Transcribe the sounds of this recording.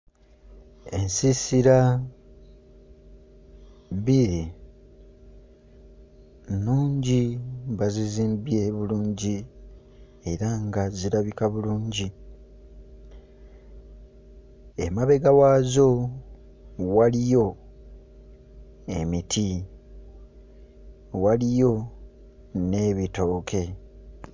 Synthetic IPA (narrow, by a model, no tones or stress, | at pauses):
e̞nsisiɾa | βie | nuːɲɟiβaziziːmbje̞βuluːɲɟi | e̞ɾaŋɡaziɾaβikaβuluːɲɟi | e̞̰maβe̞ɡawaːzo̞ | walijo̞ | emitʰi | walijo̞ | ne̞ːβito̞ːkʰe̞